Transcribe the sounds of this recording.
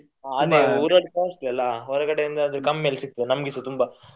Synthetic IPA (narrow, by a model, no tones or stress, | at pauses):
aɐd̪euːɾɐɽkaːsʈ̪ɐlːɐɦɔɾɛkɐɽeind̪ɐːd̪ɾɐkɐmːelsik̚t̪ɐd̪enɐmɡisut̪umbɐ